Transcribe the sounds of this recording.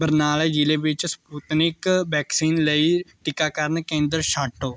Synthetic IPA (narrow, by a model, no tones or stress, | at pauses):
bəɾnaːled͡ʒileʋɪt͡ʃspuːt̪nɪkbɛːksiːnləiʈɪkːaːkəɾənkẽːnd̪əɾʃaːʈːoː